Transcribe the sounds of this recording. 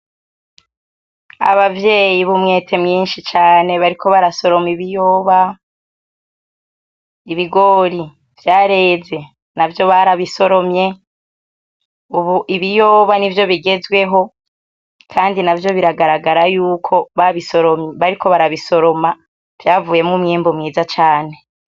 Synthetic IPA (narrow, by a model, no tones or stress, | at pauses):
a̰βavje̞ːjiβumŋe̞ːtʰe̞mŋiːnʃit͡ʃaːne̞βaɾiko̞βaɾaso̞ɾo̞miβijoːβa | iβiɡo̞ːɾi | v̥jaːɾe̞ːze̞ | navjo̞βaɾaβiso̞ɾo̞mɲe̞ | uβuiβijoːβanivjo̞βiɡe̞zwe̞ɦo̞ | kʰaːndinavjo̞βiɾaɡaɾaɡaɾajuːkʰo̞βaβisoɾomβaɾiko̞βaɾaβiso̞ɾo̞ma | v̥jaːvuːje̞mŋumŋiːmbomŋiːzat͡ʃaːne̞